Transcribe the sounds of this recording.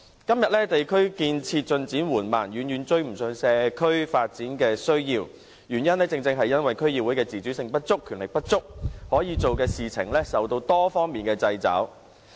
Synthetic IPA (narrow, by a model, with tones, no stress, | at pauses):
kɐ˥mjɐ˨t̚lɛː˥t̪e˨jkʰɵ˥ɥkiː˧nt͡sʰiː˧t̚t͡ʃɵ˧nt͡siː˨˥nwuː˨˩nma̰ː˨˩njyː˨˧njyː˨nt͡ʃɵ˧ɥm̩˨˩sœː˨˧ŋsɛː˧kʰɵ˥ɥfaː˧t̚t͡siː˨˥nkɛː˧sɵ˥ɥjiː˧w | jyː˨˩njɐ˥nlɛː˥t͡sɪ˧ŋt͡sɪ˧ŋɦɐ˨jːɐ˥nwɐ˨jkʰɵ˥ɥjiː˨˧wuː˨˥jkɛː˧t͡siː˨˩t͡ʃyː˨˥sɪ˧ŋpɐ˥t̚t͡sʊ˥kʰːyː˨˩nlɪ˨k̚pɐ˥t̚t͡sʊ˥k̚hɔː˨˥jiː˨˧t͡so˨wkɛː˧siː˨t͡sʰɪ˨˩ŋlɛː˥sɐ˨wt̪o˧wt̪ɔː˥fɔː˥ŋmiː˨nkɛː˧t͡sɐ˧jt͡sɐ̰ː˨˥w